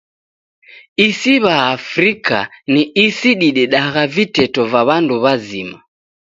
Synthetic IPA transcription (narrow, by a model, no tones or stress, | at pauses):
isiβaːfɾikʰa̰niisiɗiɗɛɗaɣavitɛtɔvaβanduβazima